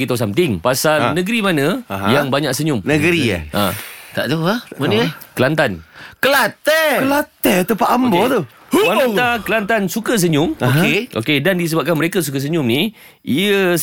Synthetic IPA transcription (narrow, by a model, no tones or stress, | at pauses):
ɡit̪as̬amt̪ɪŋpasalnəɡəɾimanə̃jaŋbaɲãʔ̚səɲʊmnəɡəɾiə̰ʔã̰t̪aʔt̪uamanəkəlant̪ankəlat̪ɛkəlat̪ɛt̪əpaʔambɔt̪u | anut̪akəlant̪ansukəs̬əɲʊmeʔo̰kedandis̬əbap̚kanməɾekas̬ukəs̬əɲʊmni | ʔiə